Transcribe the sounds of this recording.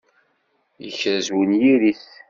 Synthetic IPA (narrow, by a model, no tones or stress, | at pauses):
jəçɾzwənjiɾis